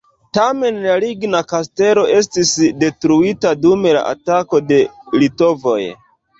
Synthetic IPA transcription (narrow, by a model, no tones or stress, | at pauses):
tame̞nlaliɡnakaste̞lo̞ʔe̞stisde̞tɾuitadume̞la̰ʔa̰tako̞de̞lito̞vo̞̰j